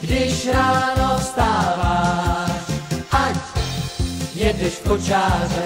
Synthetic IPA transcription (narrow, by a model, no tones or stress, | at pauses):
ɡdɪʃɾaːnost̪aːvaːʃʔac | jɛdɛʃpot͡ʃaːzɛ